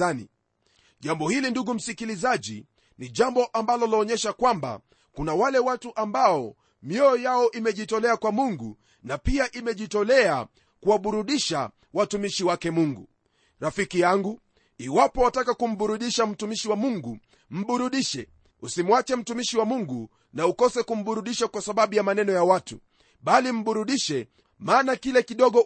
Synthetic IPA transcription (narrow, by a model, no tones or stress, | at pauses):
anḭ | ʄambɔhilinduɡum̩sikilizaʄḭ | niʄambɔʔambalɔlɔɔːɲɛʃakwamba̰ | kunawalɛwatuʔambaɔ | mjɔːjaɔʔimɛʄitɔlɛakwamuŋɡu | napiaʔimɛʄitɔlɛa | kuwaɓuɾuɗiʃa | watumiʃiwakɛmuŋɡu | ɾafikijaŋɡu | iwapɔwatakakum̩ɓuɾuɗiʃam̩tumiʃiwamuŋɡu | m̩ɓuɾuɗiʃɛ | usimwat͡ʃɛm̩tumiʃiwamuŋɡu | naukɔsɛkum̩ɓuɾuɗiʃakwasaɓaɓujamanɛnɔjawatṵ | ɓalim̩ɓuɾuɗiʃɛ | maːnakilɛkiɗɔɠɔ